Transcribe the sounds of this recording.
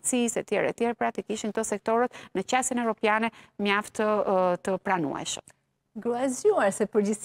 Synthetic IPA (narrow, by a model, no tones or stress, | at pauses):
t͡sisɛt̪jɛɾɛ̰t̪jɛɾpɾat̪ikiʃint̪ɔsɛk̚t̪ɔɾət̪nət͡ʃasjənɛvɾɔpjanɛmjaft̪ət̪əpɾanṵɛ̰ʃəm | ɡɾuazuaɾsɛpəɾd͡ʑis